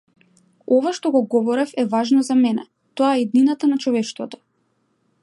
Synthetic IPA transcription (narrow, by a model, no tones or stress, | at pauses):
ɔvaʃt̪ɔɡɔɡɔvɔɾɛfɛvaʒnɔzamɛnɛ̰ | t̪ɔaɛid̪ninat̪anat͡ʃɔvɛʃt̪vɔt̪ɔ̥